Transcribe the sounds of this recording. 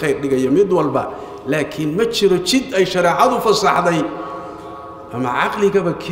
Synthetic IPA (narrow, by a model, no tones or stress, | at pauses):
ɛjrɖɪɣɐjɔmɪd̪wɐlbɐ̰ | laːkʰɪnmɐt͡ʃɪɾɔt͡ʃɪd̪ɛjʃɐɾɛːʕɑðʊfɐsɑħðɛj | ʔɐmɐ̰ʕɑ̰qlɪɣɐβɐkʰ